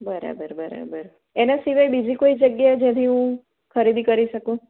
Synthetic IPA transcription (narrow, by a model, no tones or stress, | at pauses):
bəɾa̰bəɾbəɾa̰bəɾ | enasiʋajbid͡ʒikoid͡ʒəɡjaed͡ʒɛ̃t̪ʰiɦũ | kʰəɾid̪ikəɾiʃəkũ